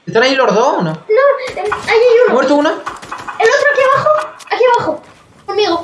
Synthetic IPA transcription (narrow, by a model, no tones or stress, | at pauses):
est̪anailoɾðononoeajiumweɾt̪ounaelot̪ɾoakiβaxoakiβaxo | omiɣo